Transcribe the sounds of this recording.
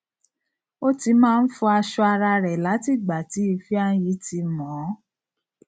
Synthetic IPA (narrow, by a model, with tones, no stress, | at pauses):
o˦ti˧˦mãː˦˧n̩˦fũ˧a˧ʃɔ˧a˧ɾa˧ɾɛ˨la˨˦ti˦˨ɡ͡ba˨ti˨˦i˧fi˦ã˧˦ji˨˦ti˧˦mɔ̃˨˦